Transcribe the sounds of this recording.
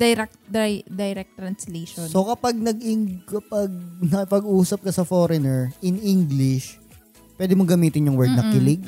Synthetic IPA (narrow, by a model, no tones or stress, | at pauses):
d̥̪ɐjɾɛk̚t̪d̪ajd̪ɐjɾɛk̚t̪ːɾɐnsleːʃonsokɐpɐɡ̚nɐɡɪŋkɐpɐɡ̚nɐpɐɡʔuːsɐp̚kɐsɐfoːɾɛnɛɹʔɪniŋɡlɪʃ | pwɛːd̪ɪmoɡɐmiːt̪ɪnjʊŋwɛɹd̪̚nɐkɪlɪɡ̚